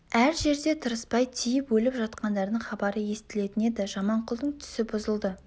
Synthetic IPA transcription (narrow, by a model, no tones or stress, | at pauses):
æɾʒe̞ɾd̪e̞t̪ʰəɾəspɑjt̪ʰijɪpwɵlɪpʒɑt̪qɑnd̪ɑɾd̪əɴχɑbɑɾəje̞st̪ɪle̞t̪ɪne̞d̪ɪʒɑmɑɴqʰʊlˠd̪əɴt̪ʰʏ̥sɪbʊzəlˠd̪ə